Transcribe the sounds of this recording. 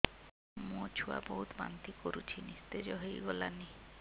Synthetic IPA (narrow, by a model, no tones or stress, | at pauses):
mõt͡ɕʰua̰boɦut̪ba̰nt̪ikoɾut͡ɕʰinist̪ed͡ʑɔɦojɡɔlani